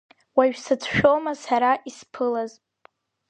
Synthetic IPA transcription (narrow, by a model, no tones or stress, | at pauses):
waɥᶣsat͡sʰʃᶣomasaɾaʔispʰɨlaz